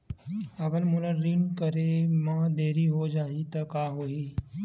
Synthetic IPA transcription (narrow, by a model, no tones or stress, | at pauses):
ɐɡəɾmʊləɾːinkəɾemãːd̪eːɾiɦod͡ʒaːɦit̪ɐkaːɦoːɦiː